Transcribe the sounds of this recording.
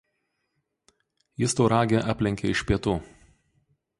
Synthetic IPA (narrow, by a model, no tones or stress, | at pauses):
jɪst̪oːɾɑːɡʲeʔɑːpʲlʲɪŋʲkʲeɪʃʲpʲiɛt̪uː